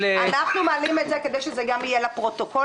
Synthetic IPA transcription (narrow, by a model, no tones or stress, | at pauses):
anaχnumealimetzeked̪ejʃezeɡamijelapʁo̞toko